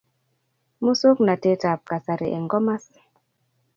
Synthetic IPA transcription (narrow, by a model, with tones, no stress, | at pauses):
mu˦so˦kna˨te˦ta˨p̚ka˨sa˨ɾḭ˨ʔḛ˨ŋɡɔ˦ma˦s